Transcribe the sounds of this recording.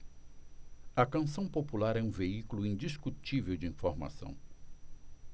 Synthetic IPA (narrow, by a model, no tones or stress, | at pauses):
ɐkɐ̃sɐ̃w̃populaɾɛũveikulʊĩnd͡ʒiskut͡ʃivewd͡ʒɪĩfoɾma̰sɐ̰̃w̃